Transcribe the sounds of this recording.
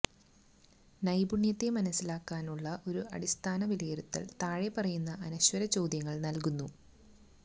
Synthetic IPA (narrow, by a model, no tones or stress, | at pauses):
nɐjbuɳjɐt̪ːemɐnɐsːilaːkːaːnuɭːɐʔo̞ɾuɐ̰ɽist̪ʰaːnɐʋilɐjeɾut̪ːɐ̰lt̪aːɻepɐrɐjunːɐʔɐnɐɕwɐɾɐt͡ɕo̞ːd̪jɐŋːɐɭnɐlkunːu